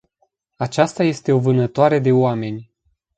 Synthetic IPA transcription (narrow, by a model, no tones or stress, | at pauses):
at͡ʃast̪aje̞st̪e̞o̞vɨnət̪oaɾe̞d̪e̞oame̞nʲ